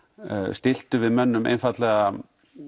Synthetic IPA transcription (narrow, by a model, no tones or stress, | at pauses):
st̪ɪl̥t̪ʏvɪðmœnːʏmḛjnfat̪lɛɣa